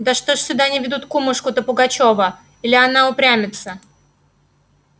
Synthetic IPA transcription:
d̪əʂt̪oʂsʲʊd̪anʲɪvʲɪd̪ut̪kumʊʂkʊt̪əpʊɡɐt͡ɕovə | ilʲɪanaʊpɾʲæmʲɪt̪sə

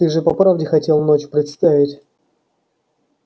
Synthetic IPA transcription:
ɨʐɨpɐpɾavdʲɪxɐtʲe̞lˠnot͡ɕpɾʲɪt̪st̪avʲɪtʲ

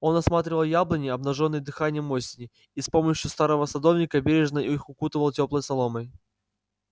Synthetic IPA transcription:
o̞nɐsmat̪ɾʲɪvəlˠjablˠənʲɪɐbnɐʐonːəjd̪ɨxanʲɪjəmːosʲɪnʲɪ | ispo̞məɕjʊst̪aɾəvəsɐd̪ovnʲɪkəbʲeɾʲɪʐnəʔixʊkut̪ɨvəlˠtʲo̞plˠəjsɐlˠoməj

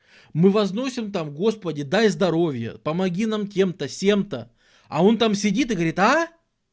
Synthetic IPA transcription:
mɨvɐzno̞sʲɪmt̪amɡo̞spədʲɪd̪ajzd̪ɐɾo̞vʲjə̰pəmɐɡʲinamtʲe̞mt̪əsʲemt̪ə | ɐ̰o̞nt̪amsʲɪdʲit̪ɨɪɡəvɐɾʲit̪a

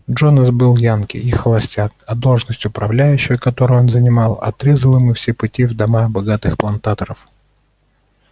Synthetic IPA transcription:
dʐonəsbɨlˠjankʲɪ̰ixəlˠɐsʲtʲak̚ɐd̪o̞lˠʐnəsʲtʲjʊpɾɐvlʲæjʉɕːɪjkɐt̪o̞ɾʊjo̞nzənʲɪmɑlˠɐ̰t̪ɾʲezəlˠɨmɨfsʲepʊtʲivd̪ɐmabɐɡat̪ɨxplˠɐnt̪at̪əɾəf

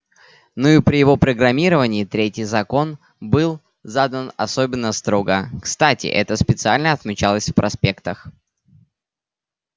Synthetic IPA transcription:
noipɾʲɪjɪvo̞pɾəɡɾɐmʲiɾəvənʲɪːt̪ɾʲetʲɪjzɐko̞n | bɨlˠ | zad̪ənɐ̰so̞bʲɪnːəst̪ɾoɡəkst̪atʲɪ̰ʔɛt̪əspʲɪt̪sɨalʲnəɐt̪mʲɪt͡ɕalˠəsʲfpɾʔɐspʲe̞kt̪əx

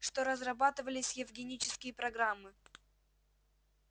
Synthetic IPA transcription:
ʂt̪oɾəzrɐbat̪ɨvəlʲɪsʲjɪvɡʲɪnʲit͡ɕɪ̥skʲɪjəpɾɐɡɾamːɨ

